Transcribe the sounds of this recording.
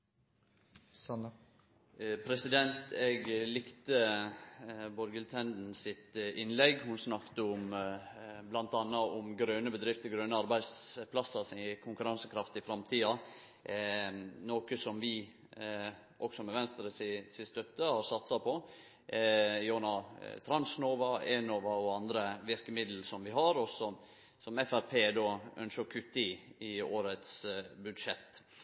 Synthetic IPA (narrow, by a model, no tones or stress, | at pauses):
pʰɾɛsɪd̪ɛnt̪ɛɡlɪkt̪ə | bɔɾɡəlt̪ʰɛnd̪n̩sɪt̪ɪnlɛɡhʊnsnɑkt̪əʊm | blɑnt̪ɑnːɑʔʊmɡɾøːnəbəd̪ɾɪft̪əɡɾøːnəɑɾbæɪd̪spʰlɑsɑsɪkʰʊŋkʉɾɑnsəkʰɾɑft̪ɪfɾɑmt̪ʰiːɑ | noːkəsɔmʋɪ | ʔɔksɔmɛʋɛnst̪əɾəsɪsɪst̪œt̪ːəhɑɾsɑt̪sɑpʰɔ | jonɑt̪ʰɾɑnsnoːʋɑɛːnoːʋɑɔɑnd̪ɾəʋɪɾkəmɪd̪ləlsɔmʋɪɦɑɾɔsɔm | sɔmɛfæɾpʰeːd̪oːœ̰nʃəkʰʉt̪ːɪɪoːɾət̪sbʉd̪ʂɛt̪ː